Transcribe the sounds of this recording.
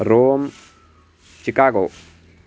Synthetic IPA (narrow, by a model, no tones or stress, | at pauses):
ɾoːm | t͡ʃikaɡo